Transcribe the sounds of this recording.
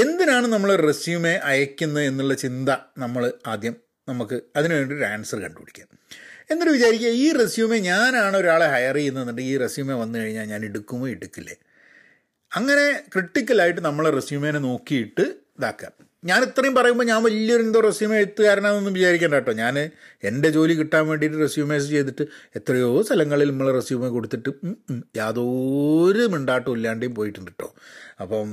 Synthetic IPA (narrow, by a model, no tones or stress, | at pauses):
e̞nd̪inaːɳɨnɐmːɐɭoɾɨresjuːme̞ʔɐjɐkʲːunːɐe̞nːuɭːɐt͡ɕind̪ɐnɐmːɐɭɨaːd̪jɐm | nɐmukːɨɐðinɨʋeːɳɖioɾaːnsɐrkɐ̰ɳɖɨuɽikʲːḁːm | e̞nːɐɾuʋit͡ɕaːɾikʲːaiːresjuːme̞ɲaːnaːɳɨo̞ɾaːɭehɐjɐrinːɐðuɳɖɨiːresjuːme̞ʋɐnːɨkɐɻiɲːaːlɲaːneɽukːumːoːiɽukːilːḛ | ɐŋːɐne̞kriʈːikʲːɐlaːjiʈːɨnɐmːɐɭeresjuːmenːeno̞ːkːijiʈːɨ | d̪aːkːa̰m | ɲaːnit̪ːrɐjumpɐrɐjumboːɲaːnʋɐlːɐoɾend̪oːresjumeɽt̪ːuɣaːɾɐnaːnonːumʋit͡ɕaːɾikʲːeːɳɖaːʈːo̞ːɲaːne̞nde̞t͡ɕo̞ːlikiʈːaːnmʋe̞ːɳɖijiʈːɨresjuːmeːs̬ɨt͡ɕe̞jt̪iʈːɨet̪ːrɐjo̞ːst̪ʰɐlɐŋːɐɭilnɐmːɐɭeresjuːmeko̞ɽut̪ːiʈːɨjaːðo̞ɾumeɳɖaːʈːɨulːaːɳɖejumpo̞ːjiʈːund̪iʈːo̰ːɐpːoː